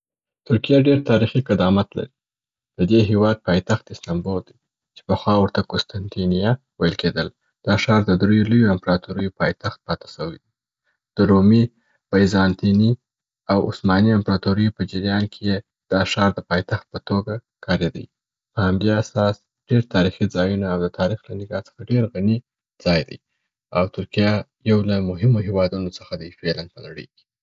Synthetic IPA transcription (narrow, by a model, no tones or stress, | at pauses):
t̪ʊɾkijaɖeɾt̪ɑɾixiqɪd̪ɑmat̪la̰ɾi | d̪̥əd̪eɦewɑd̪̚pɑjt̪axt̪ɪst̪ɑmbold̪i | t͡ʃe̥pəxwɑwəɾt̪akʊst̪ant̪enija | wajəlked̪əl | d̪̥ɑʃɑɾd̪əd̪ɾujolojoɪmpɾɑt̪oɾəjopɑjt̪axt̪̚pɑt̪ḁsəwid̪i | d̪̥əɾumi | b̥ajzɑnt̪ini | awʊ̰smɑniampɾɑt̪oɾəjpəd͡ʒɪɾjɑnkʰeje | d̪̥ɑʃɑɾd̪əpɑjt̪axt̪̚pət̪oɡa | kʰɑɾed̪ə̰j | pəhamd̪easɑs | ɖ̥eɾt̪ʰɑɾixid͡zɑjunaːwd̪ət̪ʰɑɾixlanɪɡɑt͡sə̥xaɖeɾɣani | d͡zɑjd̪ə̰j | awt̪ʊɾkija | jawlamʊɦɪmoɦewɑd̪unot͡səxad̪əjfelanpəlaɽə̰jke̥